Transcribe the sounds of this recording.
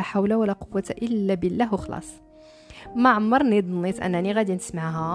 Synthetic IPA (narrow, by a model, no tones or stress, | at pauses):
æħawlawalæqʊwːat̪aʔəlːæbəlːæhwəxlɑ̰ːsˤ | maʕamːɑɾˤnid̪ˤnit̪ʔæ̰nːæniɣæd̪inəsmaʕɦæ